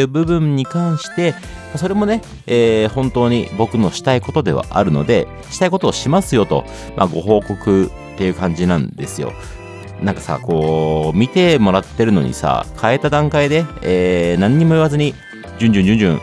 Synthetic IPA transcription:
ɯ̟ːbɯ̟bɯ̟̃ɲ̟ːikãɰ̃ɕi̥t̪e̞ | maso̞ɾe̞mo̞ne̞ | eːhõ̞nt̪o̞ːɲ̟ḭbo̞kɯ̟no̞ɕi̥t̪aiko̞t̪o̞d̪e̞̰βa̰ʔa̰ɾɯ̟no̞̰d̪e̞ | ɕi̥t̪aiko̞t̪o̞ːɕimasɨjo̞t̪o̞̰ | mʔa̰ɡo̞ɦo̞ːko̞kɯ̟ | t̪ːe̞jɯ̟ːkãɲ̟d͡ʑinãnd̪e̞sɨjo̞̰ | nãŋkḁsa̰ko̞ːmʲit̪e̞mo̞ɾat̪ːe̞ɾɯ̟no̞̰ɲ̟ḭsa̰ːkʰae̞t̪ad̪ãŋkaid̪e̞eːnãɲ̟ːimo̞iβazɨɲ̟i | d͡ʑɨ̃ɲ̟d͡ʑɯ̃ɲd͡ʑɨ̃ɲ̟d͡ʑɯ̰̃ŋ

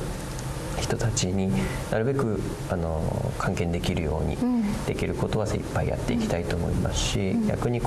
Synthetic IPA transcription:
çi̥t̪o̞t̪at͡ɕiɲ̟i | naɾɯ̟be̞kɯ̟ | ano̞̰kʰãŋkẽ̞nd̪e̞kʲiɾɯ̟jo̞̰ːɲ̟ḭd̪̥e̞kʲiɾɯ̟ko̞t̪o̞βasḭpːaija̰t̪ːe̞ikʲi̥t̪ait̪o̞ːmo̞̰ima̰sɨ̥ɕiɡʲa̰kɯ̟ɲ̟ik

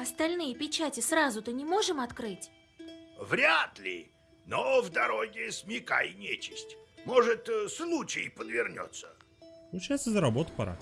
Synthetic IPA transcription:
ɐst̪ɐlʲnɨjəpʲɪt͡ɕatʲɪsrazʊt̪ɨnʲɪmo̞ʐɨmɐt̪kɾɨtʲ | vɾʲat̪lʲɪ̰ | novd̪ɐɾoɡʲɪsmʲɪka̰jnʲet͡ɕɪsʲtʲmoʐɨt̪slˠut͡ɕɪ̰jpəd̪vʲɪrnʲo̰t̪sːə̰ | plˠʊt͡ɕajt̪səzəɾɐbot̪ə̥pɐaɾa̰

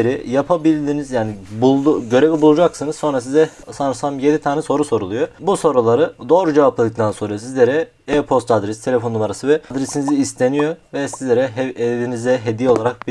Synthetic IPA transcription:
ɾijapʰabilʲd̪inizjaːnibulˠɟø̞ɾe̞vibulˠud͡ʒaksɯnɯzso̞nɾas̬izɛ | sanɾsamje̞d̪it̪ʰaːnɛso̞ɾuso̞ɾulˠujobuso̞ɾulˠaɾɯd̪o̞ːɾud͡ʒe̞vaplˠad̪ɯk̚t̪ʰanso̞nɾasizlʲeɾɛ | ɛpʰo̞st̪ʰad̪ɾɛst̪ʰelʲe̞fo̞numaɾasɯvɛd̪ɾesiniziːst̪ʰe̞nijovɛsizlʲeɾɛɦd̪inizɛɦed̪ijo̞lˠaɾak̚bi

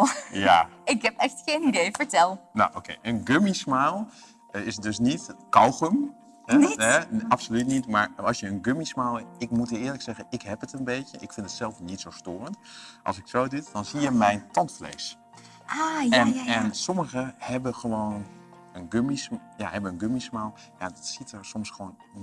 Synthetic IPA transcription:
ja̰ɪkɛpɛxtxeːnidejfəɹtɛlˠnoʔokʰeːʔənɡømismaːlˠ | ɪsdøsnitkɔwxəm | ɛapsolytnitmaɹɑsjəənɡømismaːlˠɪk̚mutɪːəɹləksɛɣəɪkhɛpətənbeːtjəʔɪkfɪntətsɛlˠfnitsoːstoːrəntʔɑ̰lˠsɪksoːdɪtdɔnsijəmɛjntɑntflḛːs | ɛnɛnsɔməɣəhɛbəxəʋoːn | ənɡømisja̰hɛbənənɡømismaːlˠ | jadɔtsitʰərsomsxʋoːn

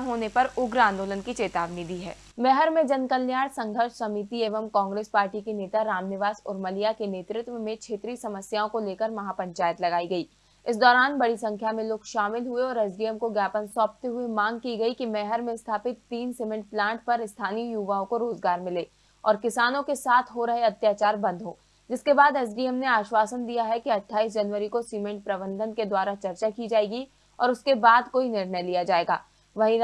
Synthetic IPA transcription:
ɦoːnepɐɾʊɡɾãːnd̪oːlənkit͡ʃeːt̪aːʋnid̪iɦɛ̰ː | mɛːɦəɾmẽd͡ʒɐnkɐlːjaːɽsɐ̃ŋɡʱəɾʃsɐmiːt̪ieːʋəmkɔ̃ːŋɡɾeːspaːɾʈikeneːt̪aɾaːmnɪʋaːsʊ̰ɾmɐlijakeneːt̪ɾɪt̪ʋəmẽt͡ʃʰeːt̪ɾisɐməsjaːõkoleːkəɾmɐɦapɐ̃ɲt͡ʃaːjət̪lɐɡaːiɡɐiː | ɪsd̪ɔːɾaːnbɐɽisɐ̃ŋkʰjamẽloːɡʃaːmɪlɦʊeɔːɾɐzɡijəmkoɡjaːpənsɔ̃ːp̚t̪eɦʊemãːŋɡ̚kiɡɐikimɛɦəɾmẽst̪ʰaːpɪt̪ːiːnsɪmɛ̃ɳʈ̚plãːɳʈ̚pɐɾɪst̪ʰaːnijuːʋaːõkoɾoːzɡaːɾmɪleː | ɔːɾkɪsaːnõkesaːt̪ʰɦoɾɐɦeɐt̪jaːt͡ʃaːɾbɐ̃nd̪ʱɦoː | d͡ʒɪskebaːd̪ɛs̬ɖiːəmneaːʃwaːsənd̪ijaɦɛkiɐʈʰːaːisd͡ʒɐnʋəɾikosiːmɛ̃ɳʈ̚pɾɐbə̃nd̪ʱənked̪waːɾat͡ʃɐɾt͡ʃakid͡ʒaːeːɡi | ɔ̰ːɾʊskebaːd̪koːinɪɾnɛjlijad͡ʒaːeːɡa̰ː | ʋɐɦi

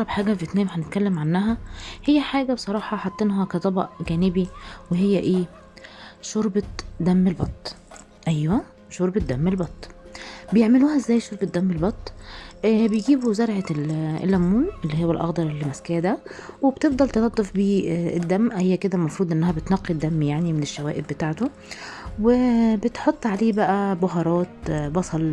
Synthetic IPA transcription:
ɑɾˤɑbħaːɡæfet̪næːmħænet̪kælːemʕanːæɦæhejːæħaːɡæbesˤɑɾˤɑːħɑħɑt̪ˤːenɦɑkæt̪ˤɑbɑ̰ʔɡæːnɪbiweɦejːæʔeː | ʃoɾbɑd̪æmːelbɑ̰t̪ˤː | ʔæjwæ | ʃoɾˤbed̪æmːelbɑt̪ˤːbejeʕmeluːhæʔezːæːjʃoɾbet̪̚d̪æmːelbɑt̪ˤː | bejɡiːbuzɑɾˤʕelḛlʔæmːuːnʔelːiːɦowːælʔɑ̰ɣd̪ˤɑɾˤlːimæskæːd̪æwebt̪efd̪ˤɑlt̪enɑd̪ˤːofbiːd̪ːæmːʔhejːæked̪ælmɑfɾuːd̪ʔenːæhæbet̪nɑqːid̪ːæmːjaʕnimeneʃːæwæ̰ːʔɪbːet̪aːʕt̪o | wɪbet̪ħot̪ˤːʕaleːbæʔæboɦɑɾˤɑːt̪bɑsˤɑl

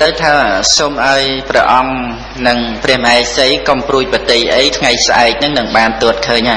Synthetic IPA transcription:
t̪ɨwt̪ʰaːsoːmʔaɔjprɛ̆əʔɑŋ | nɨŋprɛ̆əhmʔaːsəjkompruəc̚pət̪ejʔəjt̪ʰŋajsʔaɛk̚nɨŋnɨŋɓaːnt̪uət̪̚kʰəːɲʔa

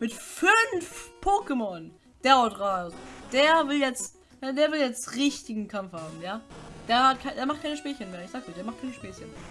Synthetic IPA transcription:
mɪtfʏnfpʰoːkəmɔn | d̥eːɐaʊdʁaːzd̥eːɐvɪljɛt͡st | jadeːɐvɪljɛt͡stʁɪçtɪɡŋ̩kʰamfhaːbm̩jaːd̥eːɐhat̚kʰaɪdeːɐmaχt̚kʰaɪnəʃpeːçənmeːɐɪçz̥aːk̚d̥iːdeːɐmaχt̚kʰaɪnəʃpeːçəneːɐɐɐ

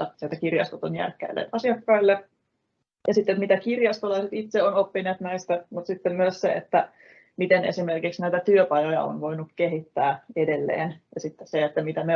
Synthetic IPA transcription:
ɑsielt̪ːækirjɑ̰st̪ot̪onjæ̰rkːˑæ̰ilːḛʔɑsiɑkːɑilːe | jɑsit̪ːet̪mit̪ækirjɑst̪olɑiset̪it̪seonopːineæt̪næist̪æmut̪sit̪ːemmyøssḛḛt̪ːæ | mit̪enḛsimerkiksnæit̪æt̪yøpɑjojɑ̰o̰nʋo̞inukkeɦit̪ːæːedelːḛːnjɑsit̪ːesseet̪ːæmit̪æme

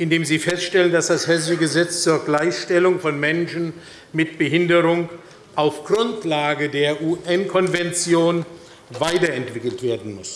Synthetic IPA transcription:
ʔɪndeːmziːfɛstʃtɛləndasd̥ashɛzəɡəzɛt͡st͡suːɐɡlaɪçʃtɛlʊŋfɔnmɛnʃn̩ | mɪtb̥əɦɪndəʁʊŋ | ʔaʊfɡ̥ʁʊntlaːɡədeːɐʔuːʔɛnkʰɔnvɛnt͡sjoːn | vaɪtɐɛntv̥ɪkl̩tv̥eːɐdn̩mʊs

